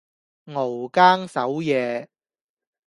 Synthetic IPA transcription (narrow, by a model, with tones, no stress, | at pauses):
ŋo˨˩wkaː˥ŋsɐ˨˥wjɛː˨˧